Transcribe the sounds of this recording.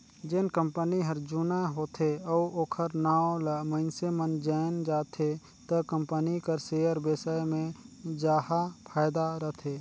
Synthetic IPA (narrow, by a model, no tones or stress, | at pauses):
d͡ʒɪnkəmpəniɦəɾd͡ʒuːnaɦoːt̪ʰeɔoːkʰəɾnaːoləmə̃ɪnsemənd͡ʒaːɪnd͡ʒaːt̪ʰe | t̪əkə̃mpənikəɾseːəɾbeːsamẽd͡ʒaːhapʰaːjd̪aɾət̪ʰeː